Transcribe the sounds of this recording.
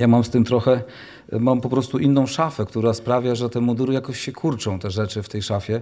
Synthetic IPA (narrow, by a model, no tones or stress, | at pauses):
jamamst̪ɘmt̪ɾɔxɛ | mampɔpɾɔst̪uʔinːɔ̃w̃ʂafɛkt̪uɾaspɾavʲjaʐɛt̪ɛmɔd̪uɾɘjakɔɕɕɛkʰuɾt͡ʂɔ̃w̃t̪ɛʐɛt͡ʂɘft̪ɛjʂafʲjɛ